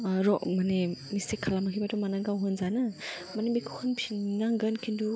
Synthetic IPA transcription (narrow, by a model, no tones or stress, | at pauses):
ɾɔʔmanemistekʰːalamakʰijbatɔmanaɡawɦɯnzanɯ | manebikʰu̥hʰɯnpʰinnaŋɡɯnkʰindu